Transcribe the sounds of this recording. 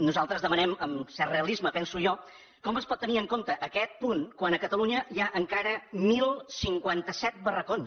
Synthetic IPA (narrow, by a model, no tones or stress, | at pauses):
nuzalˠt̪ɾəzðəmənɛməmsɛrreəlˠizməpɛnsuʒɔ | kɔməspɔt̪ːəniəŋkont̪əʔəkɛt̪̚punkwanəkət̪əluɲəjaʔəŋkaɾəmilˠsiŋkwant̪əsɛt̪̚bərəkons